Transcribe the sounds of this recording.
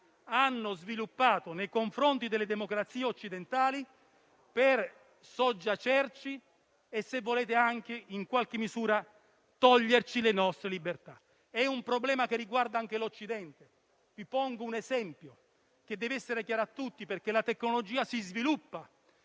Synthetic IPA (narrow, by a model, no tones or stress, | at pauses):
anːozvilupːaːt̪onejkoɱfɾont̪id̪elːed̪emokɾat̪siːeot͡ʃːid̪ent̪aːli | per | sɔd͡ʒːat͡ʃɛrt͡ʃi | esːevːoleːt̪eaŋk̟eiŋkwalk̟emːizuːɾa | t̪ɔʎːert͡ʃilenɔst̪ɾelibert̪a | ɛumpɾoblɛːmakerːiɡward̪aaŋk̟elot͡ʃːid̪ɛnt̪e | vipɔŋɡounɛzɛmpjo | k̟ed̪ːɛːvɛsːeɾekjaːɾoat̪ːut̪ːiperkelat̪ekːnolod͡ʒiːasizvilupːa